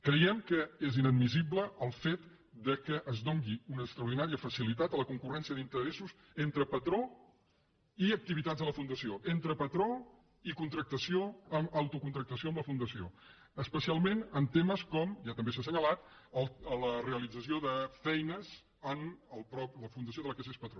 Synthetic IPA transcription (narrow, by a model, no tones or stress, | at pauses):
kɾəjɛmkəezinəd̪mis̬ibləəlˠfet̪ | d̪əkəʔːzd̪oŋɡiunəːkst̪ɾəuɾð̞inaɾiəfəsilit̪at̪ələkuŋkurɛnsiəðint̪əɾesuz | ent̪ɾəpət̪ɾo | iək̚t̪iβit̪adzðələfund̪əsioʔent̪ɾəpət̪ɾo | ikunt̪ɾək̚t̪əsioəməwt̪ukunt̪ɾək̚t̪əsioəmləfund̪əsio̰ | əspəsialˠmenənt̪eməskɔmʒat̪əmbes̬asəɲəlat̪əlˠələreəlid͡zəsioðəfɛjnəz | ənəlˠpɾɔpləfund̪əs̬ioðələkesespət̪ɾo